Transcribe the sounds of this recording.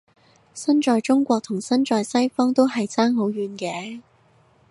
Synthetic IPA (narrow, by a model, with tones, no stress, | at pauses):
sɐ˥nt͡ʃɔː˨˧jt͡ʃʊ˥ŋkʷɔː˧k̚t̪ʰʊ˨˩ŋsɐ˥nt͡ʃɔː˨jsɐ˥jfɔː˥ŋt̪o˥whɐ˨jt͡saː˥ŋɦo˨˧˥wɥyː˨˧nkɛː˨˥